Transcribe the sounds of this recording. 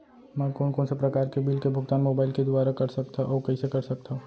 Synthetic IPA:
mɛ̃ːkoːnkɔːnsepɾɐkaːɾkebiːlkebʱʊɡt̪aːnmoːbaːɪlked̪ʊwaːɾakɐɾsɐk̚t̪aʔɔːkɐisekɐɾsɐk̚t̪aɦuː

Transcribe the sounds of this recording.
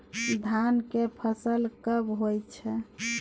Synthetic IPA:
d̪ʱankepʰəsəlkəbɦojt̪t͡ʃʰɛ

